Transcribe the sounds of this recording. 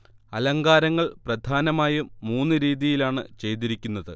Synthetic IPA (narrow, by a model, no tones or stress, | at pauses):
ɐlɐŋɡaːɾɐŋːɐɭprɐd̪ʱaːnɐmaːjuːuːnːɨɾiːðijilaːɳɨ̰t͡ɕe̞jt̪̬iɾikʲːunːɐðɨ